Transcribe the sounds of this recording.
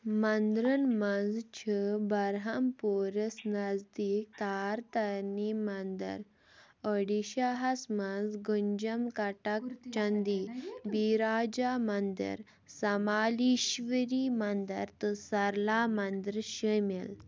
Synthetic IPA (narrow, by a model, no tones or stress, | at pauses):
mand̪ɾənmãnd͡zt͡ɕʰəbaɾɦampoɾəsnad͡zd̪ik̚t̪aɾt̪animand̪ə̰ɾ | əɽiɕaɦasmãnd͡zɡəɲd͡ʑəmkaʈakt͡ʃãnd̪ibiɾad͡ʑamand̪ə̰ɾ | samaliɕʋəɾimand̪ə̰ɾt̪əsaɾlamand̪əɾɕəmel